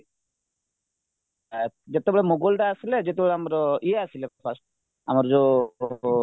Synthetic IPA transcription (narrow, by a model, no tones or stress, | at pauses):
d͡ʒet̪ebɛɭemuɡulʈaːsiled͡ʒet̪ebɛɭeamɔɾɔʔieasileppʰasʈ | amɔɾɔd͡ʒo